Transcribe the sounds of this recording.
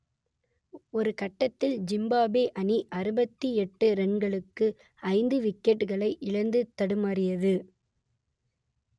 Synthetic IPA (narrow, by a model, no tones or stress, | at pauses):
ɔɾɯkɐʈːɐt̪ːɪld͡ʒɪmbaːbeːʔɐniʔɐɾɯbɐt̪ːiɛʈːɯɾɛɳɡɐɭɯkːɯ | ɐɪnd̪ɯʋɪkːɛʈɣɐɭɐɪʔɪɻɐnd̪ɯt̪ːɐɽɯmaːrɪjɐðɯ